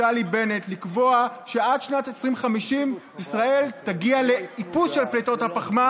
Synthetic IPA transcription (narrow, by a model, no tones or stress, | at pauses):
alibenetlikvo̞aʃe̞adʃnatesʁimχamiʃim | isʁae̞ltaɡiale̞ipusʃelpleto̞thapaχma